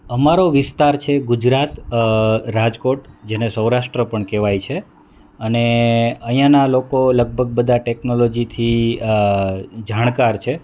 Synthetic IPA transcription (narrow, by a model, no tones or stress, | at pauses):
əmaɾoʋɪst̪aɾt͡ʃʰeɡʊd͡ʒɾat̪ | ɾad͡ʒkoʈd͡ʒenesəwɾaʃʈɾəpəɳkeʋajt͡ʃʰe | əneəɦijãnalokoləɡ̚bʱəɡ̚bəd̪aʈeknolod͡ʒit̪ʰi | d͡ʒaɽ̃kaɾt͡ʃʰe